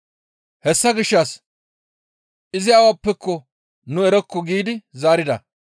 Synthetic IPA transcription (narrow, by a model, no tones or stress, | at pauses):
hɛsːɐɡɪʃːɐs | ʔɪzɪjaːwaːpːɛkːɔ | nʊɛɾɛkːɔɡiːd̪ɪzaːɾɪd̪ɐ